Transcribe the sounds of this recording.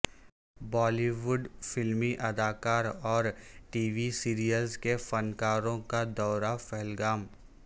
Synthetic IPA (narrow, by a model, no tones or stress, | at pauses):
bɔːliʋʊɖfɪlmiʔɐd̪aːkaːɾɔːɾʈiːʋisiːɾijəlzkefɐnkaːɾõkad̪ɔːɾafɛɦɛlɡaːm